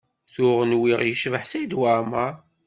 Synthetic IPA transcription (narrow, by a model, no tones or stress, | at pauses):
θʊʁənwiʁjəʃvəħsæjd̪wama